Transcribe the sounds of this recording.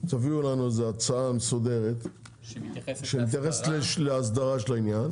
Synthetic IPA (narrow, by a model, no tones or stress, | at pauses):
t̪aviulanuezeat͡saamesod̪e̞ʁet̪ | ʃemit̪jaχesleʃleas̬d̪aʁaʃelainjan